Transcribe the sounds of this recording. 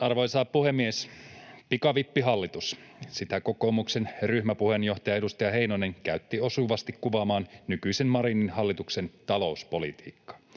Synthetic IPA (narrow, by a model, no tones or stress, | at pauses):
ɑrʋo̞jsɑːppuhemːiespikɑʋipːiɦɑlːit̪us | sit̪æko̞ko̞mukse̞nryhmæpuhe̞njo̞ht̪ɑjɑedust̪ɑjɑɦe̞inoneŋkæyt̪ːio̞suʋɑst̪ikkuʋɑmɑːnnykyisenmɑɾininhɑlːit̪ukse̞nt̪ɑlo̞uspo̞lit̪ḭːkːɑ̥